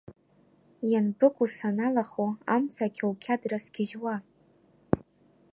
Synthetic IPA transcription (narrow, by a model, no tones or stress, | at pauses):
janbɨkʷusanalaχuamt͡sʰakʲʰawkʲʰadrasɡʲɪʒwa